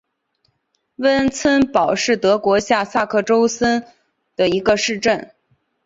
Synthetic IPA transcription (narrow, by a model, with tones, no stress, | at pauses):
wə˥nt͡sʰə˥npɑ˨˩ʊʂɻ̩˥˩t̪ɤ˧˥kwɔ˧˥ɕja˥˧sa˥˧kʰɤ˥˩ʈ͡ʂo˥ʊsə˥n | d̪̥ə˨i˧˥ɡə˧ʂɻ̩˥˧ʈ͡ʂə˥˩n